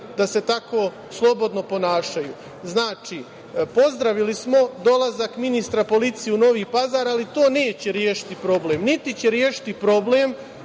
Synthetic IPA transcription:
d̪ase̞t̪ako̞ː | slˠo̞bo̞d̪no̞po̞naːʃaju | znaːt͡ʃiː | po̞zd̪ɾaʋilismo̞d̪o̞lˠazakminist̪ɾapo̞lit̪sijeuno̞ʋiːpazaːɾalit̪o̞ːne̞ːt͡ɕe̞ɾjeːʃi̥t̪ipɾo̞bleːmnit̪it͡ɕeɾjeːʃi̥t̪ipɾo̞bleːm

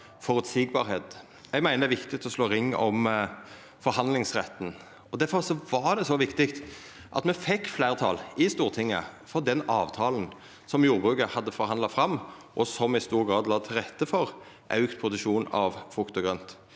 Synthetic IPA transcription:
fɔɾʉt̪siːɡ̚bɑːɾheːt̪ | ɛɡmæɪnəd̪ɛʋɪkt̪ɪt̪ʰɔsloːɾɪŋːɔm | fɔɾhɑnd̪lɪŋsʁɛt̪ːn̩ | ɔd̪æɾfɔɾsɔʋɑɾd̪ɛsɔʋɪkt̪ɪkt̪ | ʔɑ̰t̪mɛfɛkːflæɪʁt̪ʰɑ̰ːlɪst̪uːʁt̪ʰɪŋːə̰fɔɾd̪ɛnɑːʋt̪ʰɑːln̩ | sɔmjuːɾbʁʉːkəhɑd̪ːəfɔɾhɑnd̪lɑfɾɑmː | ʔɔsɔmɪst̪uːɾɡɾɑːd̪lɑːt̪ʰɪlʁɛt̪ːəfɔɾ | ʔɑʉkt̪̚pʰɾʊsəʃuːnɑ̰ʋfʊkt̪ʊɡɾœnt̪

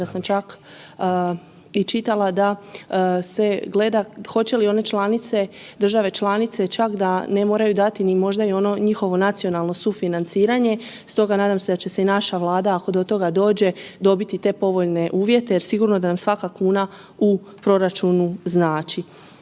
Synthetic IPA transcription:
d̪asamt͡ʃakː | it͡ʃit̪alad̪a | se̞ɡle̞d̪axo̞t͡ɕe̞lio̞ne̞t͡ʃlˠanit̪se̞d̪ɾr̩ʒaʋe̞t͡ʃlˠanit̪se̞t͡ʃakd̪ane̞mo̞ːɾajud̪at̪inimo̞ʒd̪aio̞no̞ɲixo̞ʋo̞nat̪sio̞nalˠno̞sufinant̪siːɾaɲe̞ | st̪o̞ɡanaːd̪amse̞d̪at͡ɕe̞se̞inaʃaʋlˠaːd̪aako̞d̪o̞t̪o̞ɡad̪o̞ːd͡ʑe̞d̪o̞bit̪it̪e̞po̞ʋo̞ʎne̞ʔuːʋje̞t̪ejeɾsiɡuɾno̞d̪anamsʋakakuːna | u | pɾo̞ɾat͡ʃunuznaːt͡ʃi

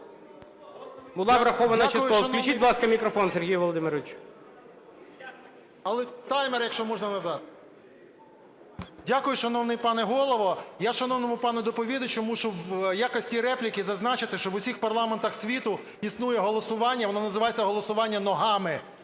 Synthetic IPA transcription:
bʊlˠɑʋɾɐxɔʋɐnɐt͡ʃɪʊjʊɔɐnklʲut͡ʃit̚ʲblˠɑskɐmʲikɾɔfɔnserɦijʋɔlˠɔd̪ɪmɪɾʋʲɪt͡ʃʲ | ɐlˠɛt̪ɑjmɛrjɐkʃt͡ʃɔmɔʒnɐnɐzɑt̪ | dʲakʊjʊʃɐnɔwnɪjpɑnɛɦɔlˠɔʋɔjaʃɐnɔwnɔmʊpɑnʊd̪ɔpɔʋʲid̪ɐt͡ʃʊmuʃʊwjakɔsʲtʲiɾɛplʲikʲizɐznɑt͡ʃɪt̪ɪʃt͡ʃɔʋʊsʲixpɐrlˠɑment̪ɐxsʲʋʲit̪ʊ | isnujɛɦɔlˠɔsʊʋɑnʲːɐʋɔnɑnɐzɪʋɑjet͡sʲːɐɦɔlˠɔsʊʋɑnʲːɐnɔɦɑmɪ

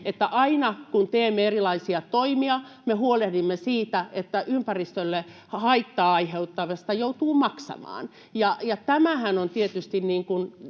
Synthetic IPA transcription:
et̪ːæʔɑinɑkunt̪eːmːeerilɑisiɑt̪oimiɑ | mehuolehdimːesiːt̪æet̪ːæʔympærist̪ølːe | hɑit̪ːɑːɑiheut̪ːɑʋɑsi̥t̪æjout̪uːmɑksɑ̰mɑ̰ːn | jɑjɑt̪æmæhænont̪iet̪yst̪inniːŋkun

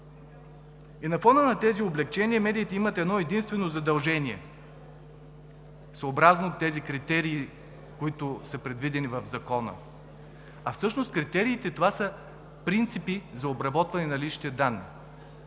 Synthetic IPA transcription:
inɐfɔnənɐt̪ɛzioblɛk̚t͡ʃɛniəmɛd̪iːt̪ɛimət̪ɛd̪nɔɛd̪inst̪vɛnozɐd̪ɐlˠʒɛniɛ̰ | soobɾaznoot̪ːɛzikɾit̪ɛɾiː | koit̪ʊsəpɾɛd̪vid̪ɛnivɐvzɐkɔnə̰ | ɐfsɤʃnost̪kɾit̪ɛɾiːt̪ɛt̪ovasə | pɾint̪sipizɐobɾɐbɔt̪vɐnɛnɐliʃi̥t̪ɛd̪anːḭ

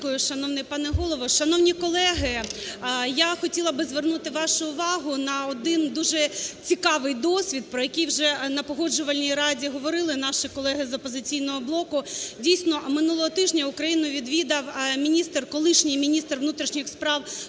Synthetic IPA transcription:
kʊjʊʃɐnɔwnɛjpɑnɛɦɔlˠɔʋɔʃɐnɔwnʲikɔlˠɛɦɪ | jaxɔtʲilˠɐbɪzʋernut̪ɪʋɑʃʊʊʋɑɦʊnɐɔd̪ɪnd̪uʒɛt͡sʲikɑʋɪjd̪ɔsʲʋʲid̪̚pɾɔjɐkʲijwʒɛnɐpɔɦɔd͡ʒʊʋɐlʲnʲijɾɑdʲiɦɔʋɔɾɪlˠɪnɑʃikɔlˠɛɦɪzɔpɔzɪt͡sʲijnɔɦɔblˠɔkʊdʲijsʲnɔmɪnulˠɔɦɔt̪ɪʒnʲɐʊkɾɐjinʊʋʲid̪ʋʲid̪ɐwmʲinʲist̪rkɔlˠɪʃnʲijmʲinʲist̪rʋnut̪ɾʲiʃnʲɪxspɾɑw

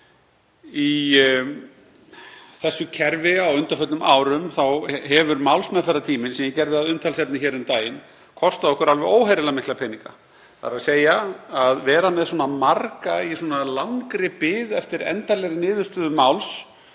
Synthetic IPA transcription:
i | θɛsːʏcʰɛɾvɪawʏnt̪afœt̪nʏmʔaːwɾʏmθawɦɛvʏɾmawlsmɛðfɛɾːat̪ʰiːmɪnsɛmjɛcɛɾðɪaðʏmt̪ʰalsɛpnɪçɛːɾʏmt̪aːjɪn | kʰɔst̪aðɔhkʏɾalvɛoːwɦajɾɪlamɪhklapʰɛniŋka̰ | θa̰ɾaðseːjaaðvɛːɾamɛðswɔːnamarkaisɔːnalaŋkɾɪpɪːðɛft̪ɪɾɛ̰nt̪alɛɣɾɪnɪːðʏst̪ʏðʏmawls

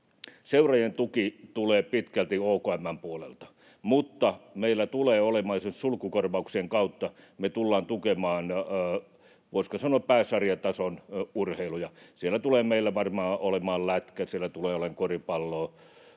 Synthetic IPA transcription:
seurɑjent̪ukit̪uleːpit̪kælt̪ioːkoæmːæmpuolḛlt̪ɑ̥ | mut̪ːɑmeilːæt̪uleːolemɑːsensulkukorʋɑuksieŋkɑut̪ːɑ | met̪ulːɑːnt̪ukemɑːnː | ʋoiskosɑnoɑppæːsɑrijɑt̪ɑsonurheilujɑsielːˑæt̪uleːmeilːæʋɑrmɑːolemɑːllæt̪kæsielːˑæt̪uleːoleŋkoripɑlːoː

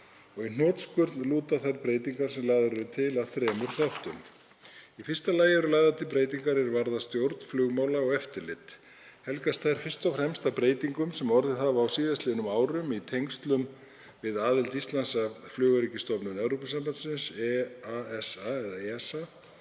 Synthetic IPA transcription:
ɔɣin̥ɔːt̪skʏɾt̪nluːt̪aθajɾpɾeːjt̪iŋkaɾ̥sɛmlaːjðaɾʏɾʏt̪ʰɪlaðθɾɛːmʏɾ̥θaht̪ʏm | ifɪr̥st̪alaːjɪvɛɾlaːjðat̪ʰɪlpɾeːjt̪iŋkaɾɛɾvaɾðast̪jowɾt̪n̥flʏɣmawlaɔɣɛft̪ɪɾlɪt̪ | hɛlkast̪θajɾ̥fɪr̥st̪ɔwfɾɛmst̪apɾeːjt̪iŋkʏmsɛmɔɾðɪθavaːwsiːðast̪ɪnʏmaːwɾʏmit̪ʰejŋkst̪lʏm | vɪðaːðɪlt̪ist̪lansaflʏːɣaɾicɪst̪ɔpnʏnɛvɾowpʏsampant̪sɪnsɛaɛsaɛðaeɛsa

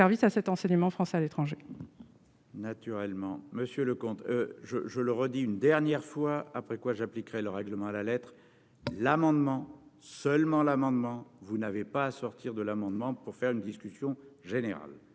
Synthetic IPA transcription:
ɛʁvisasɛt̪ɑ̃sɛɲəmɑ̃fχɑ̃sɛalet̪χɑ̃ʒe | nat̪yʁɛlmɑ̰̃məsjøləkɔ̃t̪øʒəʒələʁəd̪iynd̪ɛʁnjɛʁfwaapχɛkwaʒaplikʁɛləʁɛɡləmɑ̃alalɛt̪χ | lamɑ̃d̪mɑ̃səlmɑ̃lamɑ̃d̪mɑ̃vunavepaːsɔʁt̪iʁd̪əlamɑ̃d̪mɑ̃puʁfɛʁynd̪iskʲysjɔ̃ʒeneʁa̰l

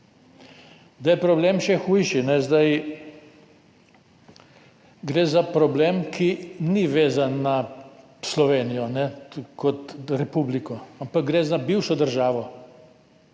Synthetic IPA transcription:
d̪ajɛpɾɔbleːmʃɛxuːjʃinɛzd̪aj | ɡɾeːzapɾɔbleːmkʰiniʋeːzanːa | slɔʋeːnijɔnɛkɔt̪ɾɛpublikɔampak̚ɡɾeːzabiwʃɔd̪əɾʒaːʋɔ

